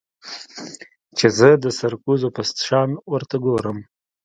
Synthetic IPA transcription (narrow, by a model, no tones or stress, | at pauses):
t͡ʃezəd̪əsaɾkuzopast̪ʃɑnwəɾt̪aɡoɾəm